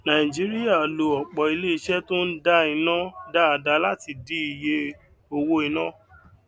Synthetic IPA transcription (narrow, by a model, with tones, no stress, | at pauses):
nã˨ĩ˨d͡ʒi˨˦ɾi˦ja˦˨lo˨ɔ˨k͡pɔ˨i˧le˦i˧ʃɛ˦tõ˦n̩˦da˦i˧nã˦da˦a˨da˧˦la˦ti˧˨di˨˦i˨je˧ | o˧wo˧i˧nã˦